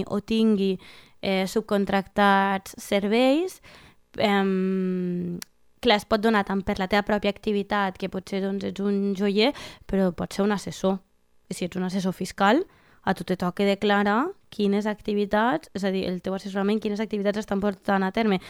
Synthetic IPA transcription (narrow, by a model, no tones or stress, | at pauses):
ʔo̰t̪iŋɡi | ɛsup̚kont̪ɾakt̪at͡sseɾβ̞ɛjs | ɛm | klaespɔt̪̚d̪unat̪ampəɾlat̪eβapɾɔpjaːkt̪iβit̪at̪kepɔseðɔnzed͡zunʒojepeɾɔpɔtseɾunaseso | isied͡zunases̬ofiskalˠ | at̪ut̪et̪ɔkeðeklaɾakʰinezakt̪iβit̪at͡sɛzaðiʔḛlˠt̪ewasesuɾamẽŋkinezak̚t̪iβit̪ad͡zest̪ampoɾt̪anat̪ɛɾme